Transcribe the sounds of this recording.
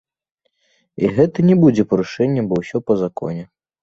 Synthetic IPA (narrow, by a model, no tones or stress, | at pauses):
ḭɣɛt̪ɐnʲɛbud͡zʲɛpɐɾuʂɛnʲːɐbɔwsʲɔpɐzakɔ̰nʲɛ